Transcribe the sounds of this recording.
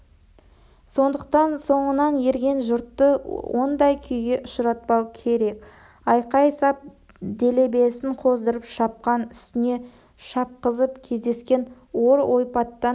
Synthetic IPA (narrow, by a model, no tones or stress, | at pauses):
so̞nd̪əq̚t̪ɑnso̞ɴənɑnje̞ɾɡʲe̞nʒʊɾt̪ːəwo̞nd̪ɑjkʲʰʏjɡʲe̞ʔʊʃəɾɑt̪̚pɑwkʲʰe̞ɾe̞k | ɑjqɑjsɑp̚ | d̪e̞le̞be̞sɪɴqʰo̞zd̪əɾəpʃɑp̚qɑnʏst̪ɪne̞ | ʃɑp̚qəzəpkʲʰe̞zd̪e̞skʲe̞n | wo̞ɾʔo̞jpɑt̪ːɑ